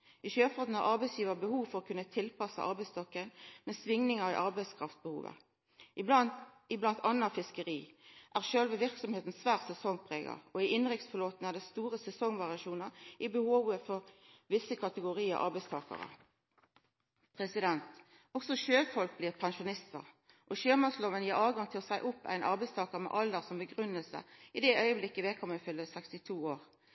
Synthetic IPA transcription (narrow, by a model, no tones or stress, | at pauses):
ɪʃøːfɔd̪n̩ɑʁʔɑʁbɛɪsjiːʋəbəhuːʋfɔʁɔkʰʉnːət̪ʰɪlpɑsə̰ʔɑ̰ʁbɛɪst̪ɔkːənmeːsʋɪŋnɪŋəʁɪ̰ʔɑʁbɛɪskʰʁɑft̪̚bəhṵːʋə̰ | ɪblɑnt̪ʰɑnːɑfɪskəʁiːʔæːʁʃøːlʋəʋɪʁksɔmheːt̪n̩sʋæːʁt̪sɛsɔŋpʰʁeːɡɑ̰ʁɔɪɪnʁɪkt̪sfɔʁloːt̪nəæʁd̪ɛːst̪uːʁəsɛsɔŋʋɑʁɪɑʃuːnəʁɪbəhoːʋəfɔʁʋɪsəkʰɑt̪əɡʊʁiːə̰ʔɑ̰ʁbæɪst̪ʰɑ̰ːkə̰ʁə̰ | pʰʁɛsɪd̪ɛnt̪ | ɔksɔʃøːfɔlk̚bliːʁpʰɛnʃʊnɪst̪ə̰ʁ | ʔɔʃøːmɑsloːʋənjiːʁɑːʋɡɑŋt̪ʰɪlɔsæɪʔʊpːæ̰ɪnʔɑ̰ʁbæɪst̪ʰɑːkəʁmɛ̰ʔɑld̪əʁsɔmbəɡʁʉnːəlsə̰ɪd̪ɛʔœʏəblɪkːəʋeːkʰɔməfʏlːəsɛkst̪ɪt̪ʰuːoːʁ